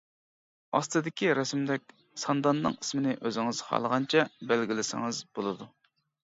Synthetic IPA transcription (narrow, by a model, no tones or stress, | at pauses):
ɑ̰st̪ɨd̪ɪkʲiɾɛsmd̪ɛkʲ | sɑnd̪ɑnːɨ̰ŋismɪnɪʔøzɪŋɪz̥χɑ̰lˠəʁɑnt͡ʃʰɛbælɡʲilɪsɪ̰ŋɨzbolˠɨd̪u